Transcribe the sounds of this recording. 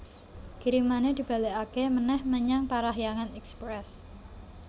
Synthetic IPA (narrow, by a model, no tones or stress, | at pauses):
ɡ̥iɾimaned̪̥i̤b̥a̤leakemənɛhməɲaŋpaɾaɦjaŋanɛkspɾɛs